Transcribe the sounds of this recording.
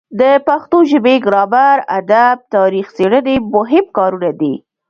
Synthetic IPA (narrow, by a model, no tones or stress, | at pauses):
d̪əpaxt̪oʒɪbeɡɾɑbaɾa̰d̪ab̚t̪ɑɾixseɽənemʊɦɪbkɑɾunad̪i